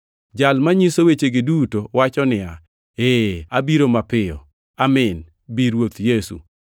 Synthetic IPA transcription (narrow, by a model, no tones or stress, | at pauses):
d͡ʒalmaɲisowet͡ʃeɡɪdutowat͡ʃɔnɪa | eabiɾomapɪɔ̰ | amɪn | biɾwot̪jesṵ